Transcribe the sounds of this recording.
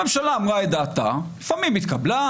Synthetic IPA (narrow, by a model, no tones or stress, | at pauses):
emʃalaːmʁaed̪aːt̪a̰lifamimit̪kabla